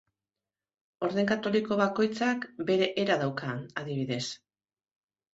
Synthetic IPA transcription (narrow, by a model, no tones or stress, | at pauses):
o̞ɾðe̞ŋkat̪o̞liko̞β̞ako̞jt͡sakbe̞ɾe̞ʔeɾaðawkanaðiβ̞iðe̞s